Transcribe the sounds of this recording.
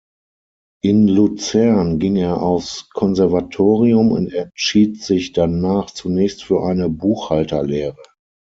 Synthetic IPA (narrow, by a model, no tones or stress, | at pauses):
ʔɪnlut͡sɛɐnɡɪŋeːɐʔaʊskʰɔnzɛɐvatʰoːʁiʊmʊ̰ntɛʃiːtz̥ɪçd̥anaːχt͡sunɛːçstfyːɐʔaɪnəbuːxhaltɐleːʁə